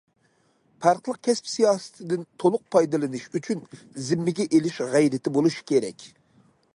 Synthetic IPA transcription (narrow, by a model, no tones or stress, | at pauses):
pʰɑɾqlˠəq̚kʲʰɛspsijɑːsɨ̥t̪ʰɪd̪ɪnt̪ʰolˠʊq̚pʰɑjd̪ɨlˠɨnɨʃyt͡ʃʰyn | zɪmːɪɡʲɛʔelɪʃʁæjɾɪt̪ʰɪbolˠuʃi̥kʲʰeɾɛ̰kʲ